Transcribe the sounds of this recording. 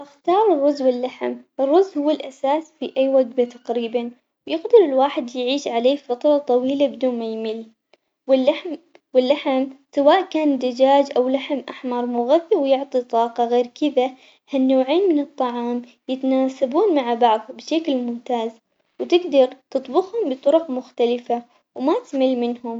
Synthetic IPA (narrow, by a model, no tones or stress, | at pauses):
ʔɪxt̪ɑːɾˤɨrˤːʊzwɪlːaħmʔɪrˤːʊzːhʊwːalʔasaːsfiʔajːwaɡbat̪aqɾiːban | wjɪɣd̪ɪɾɪlwaːħɪd̪jʕiːʃʕaleːfɑt̪ɾˤɑt̪ˤɑwiːlabɪd̪uːnmajmiːl | wɪlːaħm | wɪlːaħɪmsawaːʔkaːnd̪ad͡ʒaːd͡ʒʔawlaħmʔaħmɑɾˤmʊɣaθːɪwjʊʕt̪ˤit̪ˤɑːqɑɣeːɾkɪða | hanːoːʕeːnmɪnɨt̪ˤːɑʕɑːm | jɪt̪anaːsabuːnmaʕabɑʕðˤhʊbɪʃaklmʊmt̪aːz | wt̪ɪɡd̪ɑɾˤt̪ɨt̪ˤbʊxhʊmbɨt̪ˤʊɾʊqmʊxt̪alɪfa | wmat̪mɪlːmɪnhʊm